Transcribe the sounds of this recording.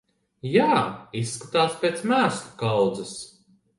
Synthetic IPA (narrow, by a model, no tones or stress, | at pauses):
jaːisːkḁt̪aːspʲeːt̪smæːslukawd̪zɐs